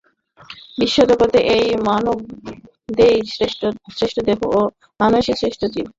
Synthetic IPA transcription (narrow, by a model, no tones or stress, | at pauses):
biʃːod̪okot̪eʔejmanob̚ | d̪ejsesɾeʃʈʰod̪eboo | manoʃisɾeʃʈʰod͡ʑilo